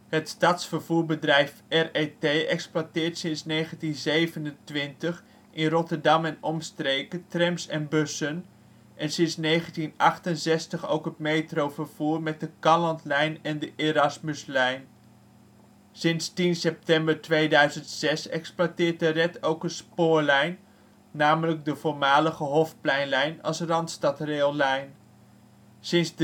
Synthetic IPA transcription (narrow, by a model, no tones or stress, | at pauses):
hətstatsfəɹvuːɹbədrɛjfɛretejɛksplwatɪːɹtsɪnsnejχəntinzejvənəntʋɪntəχ | ʔɪnrɔtəɹdɑmɛnɔmstrejkətrɛmsɛnbɵsən | ʔɛnsɪnsnejχəntinʔɑχtənzɛstəχo̰wkɦətmejtrowvəɹv̥uːɹmɛt̚dəkɑlɑntlɛjnɛndəʔeɾɑsməslɛjn | sɪnstinsɛp̚tɛmbəɹtʋejdœɥzəntsɛsɛksplwatɪːɹt̚dərɛtowkənspʊːɹlɛjnː | aːmələɡ̚dəvʊːɹmaːləχəɦɔfplɛjnlɛjnɑ̰lˠsrɑntstɑtreːlˠlɛjn | sɪns